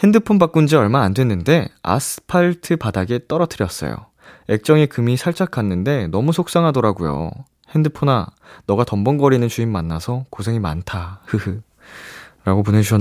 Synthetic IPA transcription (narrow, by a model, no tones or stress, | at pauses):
he̞ndɯpʰonbak̚k͈und͡ʑiʌɭmaːndwe̞nːɯnde̞a̰sʰɯ̥pʰaɭtʰɯpadaɡe̞t͈ʌɾʌtʰɯɾjʌs͈ʌ̰jo̰ | e̞k̚t͡ɕ͈ʌŋekɯmisʰaɭt͡ɕʰakʰanːɯnde̞nʌmusʰok̚s͈aŋɦadoɾaɡujo̰ | he̞ndɯpʰonanʌɡatʌmbʌnɡʌɾinɯnt͡ɕuimːanːasʰʌkosʰe̞ŋima̰ntʰahɯhɯ | ɾaɡop̬one̞d͡ʑuɕʰʌ